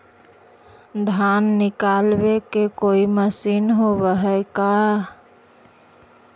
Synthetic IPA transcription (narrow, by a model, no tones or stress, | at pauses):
d̪ʱanːikalbekekoiməsinɦobəɦəɪka